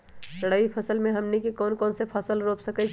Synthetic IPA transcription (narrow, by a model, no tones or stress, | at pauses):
ɾəɽəipʰəsəlmẽɦəmnikekɔːnkɔːnsepʰəsəlɾopsəkɛt͡ʃʰ